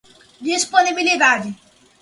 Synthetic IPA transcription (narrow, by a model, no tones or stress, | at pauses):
d̪ispɔnibilid̪aɾi